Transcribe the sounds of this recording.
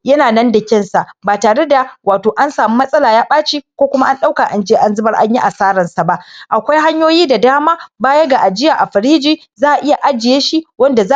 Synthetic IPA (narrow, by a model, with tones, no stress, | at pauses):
jɐ˦naː˨nɐ˦ndɐ˨kʲɪ˦nsa˨baː˨taː˨ɽe˦da˨waː˨toː˨ʔa˦nsaː˨mi˦mɐ˦sʼɐ˦laː˨jaː˦ɓaː˦t͡ʃiː˦kʷoː˦kʷʊ˦ma˦ʔa˦nɗa˦wka˨ʔa˨nd͡ʒeː˦ʔa˨nzɪ˦bɐ˦rʔa̰˦ɲji˦ʔa˨saː˦ɾɐ˨nsa˨ba˦ʔʔa˨kʷa˦jɦa˦ɲjoː˦jiː˦da˨daː˦maː˦baː˦ja˦ɡa˨ʔa˨d͡ʒɪ˦jaː˨ʔa˨ɸɐ˨ɾiː˦d͡ʒiː˦ | zaː˦ʔa˨ʔɪ˦ja˨ʔa˦d͡ʒɪ˨jeː˦ʃi˦wɐ˦nda˨za˦